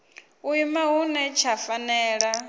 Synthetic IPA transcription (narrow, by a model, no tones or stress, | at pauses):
uimaɦunɛt͡ʃʰafanɛːɺa